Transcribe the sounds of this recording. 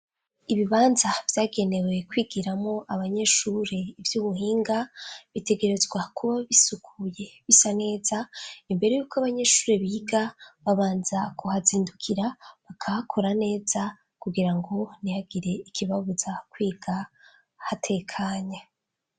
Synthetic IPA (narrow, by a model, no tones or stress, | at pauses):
iβiβaːnzavjaːɡe̞ne̞we̞kwiːɡiɾamŋo̞ʔaβaɲe̞ʃuɾe̞ivjuːmuɦiːŋɡaβite̞ɡe̞ɾe̞zɡwakʰuβaβisukʰuje̞βisane̞ːzaimbe̞ɾe̞juːkoaβaɲe̞ːʃuːɾe̞βiɡaβaβaːnzakʰuhaziːndukʰiɾaβakʰakʰo̞ɾane̞ːza | kuɡiɾaŋɡo̞nijaɡiɾe̞ikiβaβuzakwiːɡ̥a | hatʰe̞kʰaːɲa